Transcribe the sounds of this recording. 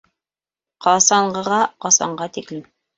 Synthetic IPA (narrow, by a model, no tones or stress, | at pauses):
qʰɑsɑɴɢɤ̆ʁɑqɑsɑ̰ɴɢɑt̪iklɘm